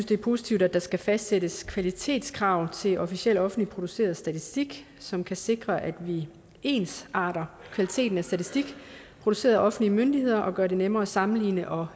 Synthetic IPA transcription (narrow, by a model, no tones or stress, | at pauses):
n̩sd̥e̝ɐpʰo̝ːsi̥t͡sʰiʊdæd̥ɑ̈sɡ̥æfæsd̥seɾ̥əskʰʋælit͡sʰe̝̰ːd̥skʰʁɑ̈ʊ̰t͡sʰe̝lʔɒfiɕiel̰dɒ̽fn̩lipʰʁod̥use̝̰ːɐð̞̩ˠsd̥æt͡sʰisd̥iɡ̥ | sɒ̽mkʰæse̝ɡ̥ʁɐʔæd̥ʋi | e̝̰ːnsɑ̈ːɾ̥ɐkʰʋælit͡sʰe̝̰ːd̥n̩æsd̥æt͡sʰisd̥iɡ̥ | pʰʁo̝d̥use̝̰ːɐðˠʔɒ̽fn̩liəmønd̥ihe̝ð̞̰ˠɐʔɒ̽ɡ̥ɶɐde̝nemɐːsɑ̈mn̩lḭːnəʔɒ̽